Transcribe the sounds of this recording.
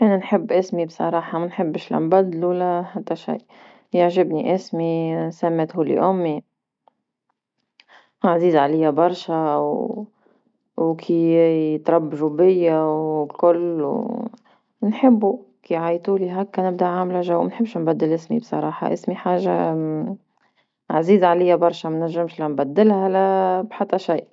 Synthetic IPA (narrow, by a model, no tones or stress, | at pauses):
ʔaninħɪbːʔɪsmibsˤɑ̰ɾˤɑːħɑmanħɪbːɪʃla̰mbad̪lulahad̪ːaʃḭj | jɪʕʒɪbniʔɪsmisamːeːt̪huːlḭʔʊmːi | ʔaʕziːzʕalɪjːabɑɾˤʃaw | wkʰit̪ɾˤɑbːaʒubɪjːawkʊlːw | nħɪbːu | kiʕajt̪uːliɦakːanɪb̚d̪aʔʕamlaʒawmɪnħɪbːʃnbad̪ːɪlʔɪsmḭbsˤɑ̰ɾˤɑːħɑ̰ʔɪsmiħaːʒa̰ | ʕaziːzʕalɪjːabɑɾˤʃamanaʒːɪmʃlanbad̪ːɪlhalabħat̪ːaʃijːʔ